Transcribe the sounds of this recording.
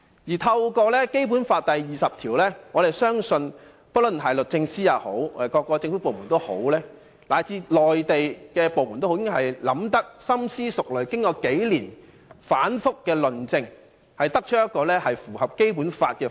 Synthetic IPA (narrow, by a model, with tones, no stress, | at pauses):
jiː˨˩t̪ʰɐ˧wkɔː˧lɛː˥ke˥jpu˨˥nfaː˧t̚t̪ɐ˨jːiː˨˩sɐ˨p̚t̪ʰiː˨˩wlɛː˥ŋɔː˨˧ɾe˨jsœː˥ŋsɵ˧n | pɐ˥lɵ˨˩nɦɐ˨jlɵ˨t̚t͡sɪ˧ŋsiː˥jaː˨˧who̰˨˥wɔː˨˧d̪e˨˩jkɔː˧kːɔː˧t͡sɪ˧ŋfu˨˥po˨wmu˨˩nt̪o˥who̰˨˥wlɛː˥ | laː˨˩jt͡siː˧lɔː˨jt̪e˨jkɛː˧po˨wmu˨˩nt̪o˥ho˧˥ɪ˥kːɦɐ˨˩jlɐ˨˧˥mt̪ɐ˥k̚sɐ˥msiː˥sʊ˨k̚lɵ˨˩ɥkɪ˥ŋkɔː˧ke˨˥jliː˨˩n | faː˨˥nfʊ˥kːɛː˧lɵ˨nt͡sɪ˧ŋ | hɐ˨jt̪ɐ˥k̚t͡ʃʰɵ˥jɐ˥t̚kːɔː˧lɛː˥hɐ˨jfuː˨˩hɐ˨p̚ke˥jpuː˨˥nfaː˧t̚kɛː˧